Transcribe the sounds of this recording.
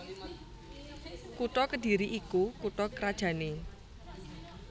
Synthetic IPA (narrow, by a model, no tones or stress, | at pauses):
kuʈɔkədi̤ɾiʔikukuʈɔkəɾad̥ʒ̥ä̤ne